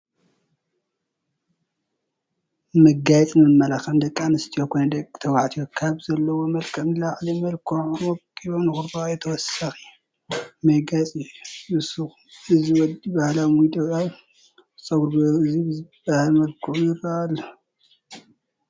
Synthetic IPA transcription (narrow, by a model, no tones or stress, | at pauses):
mɐɡajɛt͡sʼmɨmːɐlaxɐmd̪ɐkʼːanɨst̪ʰijokʰojnɐd̪ɐkʼt̪ʰɐwaʕt̪ʰijokʰaβzɐlːɐwo̞mɐlkʰɐmlaʕlimɐlkʰuʕɔkʼiβonɨxuɾbajɛt̪ʰɐwɔsaxi | mɐɡat͡sʼijumɨsux | ɨziwɔd̪ibahlamujd̪ʼɐaw | sʼɐwuɾboɨzibahalmɐlkʰuujɪraʔalːo